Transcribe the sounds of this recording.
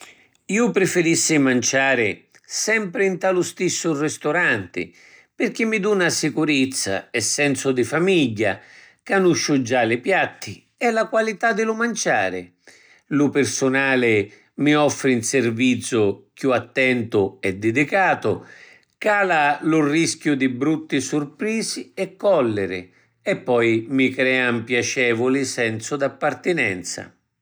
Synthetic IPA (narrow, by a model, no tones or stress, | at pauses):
iːʊpɾɪfɪɾisːɪmant͡ʃaːɾɪ | sɛmpɾɪint̪alʊst̪isːʊrɪst̪ʊɾant̪ɪ̰ | pɪrk̟ɪmːɪd̪unasɪkuɾɪt̪sːa̰ɛsːɛnsʊd̪ɪfamiʎːa̰ | kanuʃːʊd͡ʒalɪpjat̪ːɪ | ɛlakwalit̪ad̪ːɪlʊmant͡ʃa̰ːɾɪ̰ | lʊpɪrsʊnaːlɪ | miɔfːɾɪinsɪrvit̪sːʊkjuat̪ːɛnt̪ʊɛd̪ːɪd̪ikaːt̪ʊ | kaːlalʊrːisk̟jʊd̪ɪbɾut̪ːɪsʊrpɾiːziɛkːɔlːɪɾɪ̰ | ɛpːɔjmikɾɛːampjat͡ʃɛːvʊlɪsɛnt̪sʊd̪apːart̪ɪnɛ̰nt̪sa̰